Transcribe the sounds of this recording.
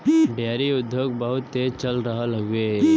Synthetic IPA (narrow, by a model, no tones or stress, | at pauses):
ɖʱjaːɾiʊd̪ʱːjoːɡ̚bəɦʊt̪ːeːzt͡ʃɐlɾɐɦalɐɡeɦ